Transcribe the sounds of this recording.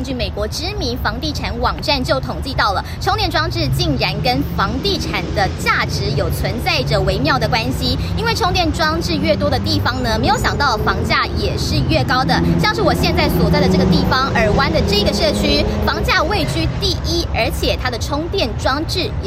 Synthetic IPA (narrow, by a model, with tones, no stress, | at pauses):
nt͡ɕy˥˩me˨˩ɪkwɔ˧˥ʈ͡ʂɻ̩˥mi˧˥nfɑ˧˥ŋt̪i˥˩ʈ͡ʂʰa˨˧˥nwɑ˨˩ŋʈ͡ʂa˥˧nt͡ɕjo˥˩ʊt̪ʰʊ˨˩ŋt͡ɕi˥˧t̪ɑ˥˩ʊlə˩ʈ͡ʂʰo˥ŋt̪jɛ˥˩nʈ͡ʂwɑ˥ŋʈ͡ʂɻ̩˥˧t͡ɕi˥˩ŋɻa˧˥nkə˥nfɑ˧˥ŋt̪i˥˩ʈ͡ʂʰa˨˩nd̪ə˦t͡ɕja˥˩ʈ͡ʂɻ̩˧˥jo˨˩ʊt͡sʰwə˧˥nt͡sa˥˩ɪʈ͡ʂə˨˩we˧˥ɪmjɑ˥˩ʊd̪ə˩kwa˦˥nɕi˧˥ | i˥nwe˥˩ɪʈ͡ʂʰo˥ŋt̪jɛ˥˨nʈ͡ʂwɑ˥ŋʈ͡ʂɻ̩˥˧ɥɛ˥˩t̪̬wɔ˥d̪ə˨t̪i˥˩fɑ˨˩ŋnə˨me˧˥ɪjo˧˥ʊɕjɑ˨˩ŋt̪ɑ˥˩ʊfɑ˧˥ŋt͡ɕja˥˩jɛ˨˩ʂɻ̩˥˧ɥɛ˥˩kɑ˥ʊd̪ə˨ɕjɑ˥˧ŋʂɻ̩˥˩wɔ˨˩ɕjɛ˥˧nt͡sa˥˩ɪswɔ˨˩t͡sɪd̪ə˧ʈ͡ʂɤ˥˩ɡə˩t̪i˥˩fɑ˧˥ŋʔə˞˧˥wa˥nd̪ə˨ʈ͡ʂɤ˥˩i˧ɡə˩ʂɤ˥˩t͡ɕʰy˥fɑ˧˥ŋt͡ɕja˥˧we˥˧ɪt͡ɕʰy˥t̪i˥˩ʔi˥ə˞˧˥t͡ɕʰjɛ˨˩t̪ʰa˥d̪ə˨ʈ͡ʂʰʊ˥ŋt̪jɛ˥˨nʈ͡ʂwɑ˥ŋʈ͡ʂɻ̩˥˩